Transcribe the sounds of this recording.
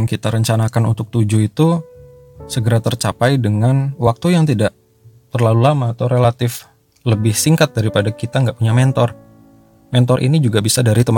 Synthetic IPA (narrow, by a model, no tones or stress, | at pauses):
mkit̪aɾəɲt͡ʃanakanunt̪ʊk̚t̪ud͡ʒuit̪u | səɡəɾat̪ərt͡ʃapajdəŋanwak̚t̪ujaŋt̪idaʔ | t̪ərlalulamaət̪awɾelat̪ɪf | ləbɪhsiŋkat̪̚daɾipadakit̪aŋɡaʔpuɲamɛnt̪ɔr | mɛnt̪ɔɾʔḭnid͡ʒuɡabisadaɾit̪əm